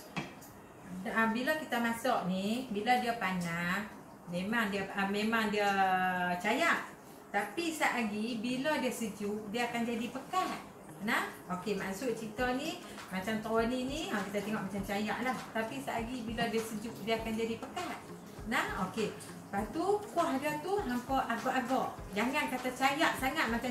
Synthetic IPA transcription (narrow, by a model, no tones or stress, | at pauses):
abilakit̪amasɔʔnibiladiəpanah | memaŋdiəəmemaŋdiə | t͡ʃajaʔ | t̪apisaʔaɡibilɔdiəsəd͡ʒuʔdiəakand͡ʒadipəkat̪̚ | nah | okemasʊʔt͡ʃit̪ɔni | mat͡ʃamt̪aɔniniakit̪at̪eŋɔʔmat͡ʃamt͡ʃaja̰ʔlaht̪apisaʔaɡibilɔdiəsəd͡ʒuʔdiəakand͡ʒadipəkat̪̚ | nahoke | pat̪ukuahdət̪uhaŋkɔʔaɡɔʔaɡɔʔd͡ʒaŋankat̪at͡ʃajaʔsaŋat̪̚mat͡ʃa